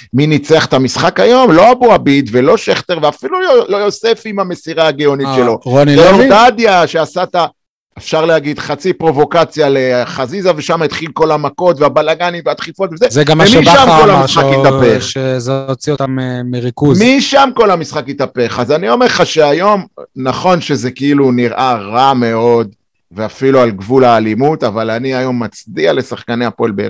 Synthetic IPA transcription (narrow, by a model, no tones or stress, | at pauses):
minit͡seaχe̥t̪amisχakajo̞mlo̞abuabid̪velo̞ʃeχt̪eʁveafilulojo̞sefimame̞siʁaaɡeo̞nitʃelo̞ʁonijomt̪adjaʃeasat̪a | efʃaʁlehaɡid̪χat͡sipʁo̞vo̞kat͡sjaleχazizaveʃamait̪χilko̞lamako̞t̪veabalaɡanimveat̪χifo̞tvezezeɡamːaʃmiʃamko̞lhamisχakit̪apeχʃezeot͡siot̪ammeʁikuzmiʃamko̞lamisχakit̪ape̞χazanio̞meʁχaʃeajo̞mnaχo̞nʃe̞ze̞kiiluniʁʔaʁame̞o̞d | ve̞afilualɡvulaːlimutavalaniajo̞mːat͡sdiale̞saχkaneapoelbḛ